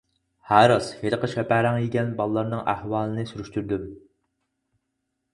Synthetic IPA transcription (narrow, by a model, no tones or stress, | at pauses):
hæɾɑsheɾqəʃɛpæɾæŋjeɡʲɛnbɑlˠːɑɾnɨŋʔæhwɑːlˠɨnɨsyɾyʃt̪yɾd̪ym